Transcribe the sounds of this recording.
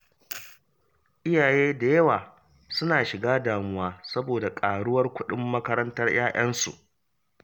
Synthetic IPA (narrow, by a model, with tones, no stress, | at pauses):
ʔɪ˦jaː˨jeː˦da˨jɐ˦waː˨ | sʊ˦naː˨ʃɪ˨ɡaː˦daː˨mʊ˦waː˦sɐ˦boː˨da˨kʼaː˨ɽʊ˦wɐ˦rkʷʊ˦ɗɪ˦mːɐ˦kɐ˦ɾɐ˦ntɐ˦rj̰ʔaː˦j̰ʔɐ˦nsṵ˨ʔ